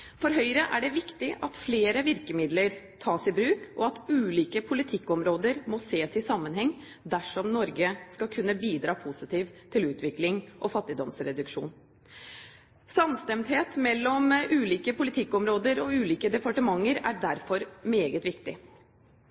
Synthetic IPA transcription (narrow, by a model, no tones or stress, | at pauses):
fɔɾɦœʏɾəʔæɖɛʋɪkt̪ɪʔɑt̪fleːɾəʋɪɾkəmɪd̪ləɾ | t̪ʰɑːsɪbɾʉːkʔɔɑt̪ʉːliːkəpʰʊlɪt̪ʰɪkːɔmɾoːd̪əɾmɔseːsɪsɑmːənɦɛŋː | d̪æʂɔmnɔɾɡəskɑkʰʉnːəbiːd̪ɾɑːpʰʊsɪt̪iːʋt̪ʰɪlʉːt̪ʋɪklɪŋʔɔfɑt̪ːɪd̪ɔmsɾɛd̪ʉkʂṵːn | sɑmst̪ɛmt̪heːt̪mɛlːɔmʔʉːliːkəpʰʊlɪt̪ʰɪkːɔmɾoːd̪əɾɔʉːliːkəd̪ɛpɑʈəmɑŋːəɾæɾɖæɾfɔɾmeːɡət̪ʋɪkt̪ɪ